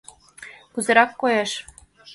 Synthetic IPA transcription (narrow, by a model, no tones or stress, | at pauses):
kuzɤ̆ɾɑkːojɤʃ